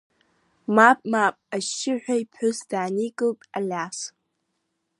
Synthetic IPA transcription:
mapʼmapʼaʃɪħᶣʷaipʰʊsd̥aːnikʼɨlpʼa̰lʲas

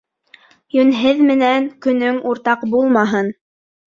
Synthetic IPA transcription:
jɵ̆nɦɘðmɘ̆næŋkɵ̆nɵŋuɾt̪ɑqbulˠmɑɦɤn

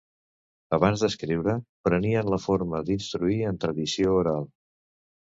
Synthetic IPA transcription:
əβ̞anzd̪əskɾiwɾəpɾəniənləfoɾməd̪inst̪ɾuiənt̪ɾəðisiouɾalˠ

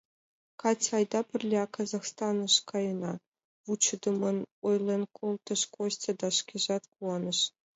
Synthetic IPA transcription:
kɑtʲɑjd̪ɑpʲɘ̆rʲlʲeɑkɑzɑχst̪ɑnɤ̆ʂkɑjɤ̆nɑ | vut͡ɕɤ̆d̪ɤ̆mɤ̆nujlʲˠɤ̆nkʰulˠt̪ɤ̆ʂkoɕtʲɤ̆d̪ɑʂkʲiʐɑt̪kuɑnɤ̆ʂ

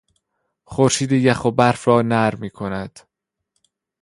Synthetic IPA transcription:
χoɾʃiːd̪ejæxobæɾfɾɒːnæɾmiːkʰonæd̪̥

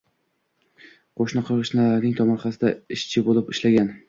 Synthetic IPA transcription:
qʰoʃnɪqʰɨɾʁɨʃnalaɾnɪŋt̪ʰɒmɒɾχɑsɪd̪aɪʃt͡ʃʰɪbolɪpɪʃlaɡʲan

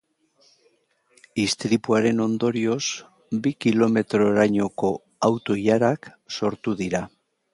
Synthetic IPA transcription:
ist̪ɾipuaɾe̞no̞nd̪o̞ɾio̞s | bikilo̞me̞t̪ɾo̞ːɾajɲo̞ko̞ | awt̪o̞ʎaɾak | so̞ɾt̪uðiɾa

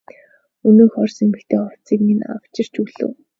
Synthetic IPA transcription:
ɵnɵːxɔrsemɘ̆kt̪ʰeːχɔw̥t͡siːkmina̰w̥t͡ɕɪ̆r̥t͡ɕuɮɘ̰̆ːw

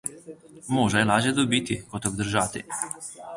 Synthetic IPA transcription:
moːʒajilaːʒjed̪obit̪ikot̪obd̪ɾ̩ʒat̪ḭ

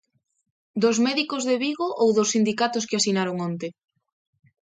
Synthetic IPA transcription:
d̪ozmɛðikozðeβiɣoʔowðosːind̪ikat̪ʊskɪasinaɾoŋont̪e

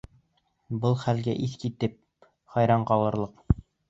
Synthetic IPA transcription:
bɤlˠχælɡæʔiθkit̪ɘp̚ | χɑjɾɑɴqɑlˠɤ̆ɾlˠɤq

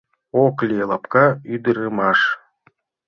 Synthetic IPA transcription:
oklʲielˠɑpkɑyd̪ɨɾɨmɑʂ

